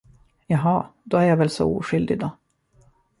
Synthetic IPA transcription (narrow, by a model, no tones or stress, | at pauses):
jɑɦɑːd̪ɔæɾjavɛlsɔ̰ṵːɧʏld̪ɪd̪ɔ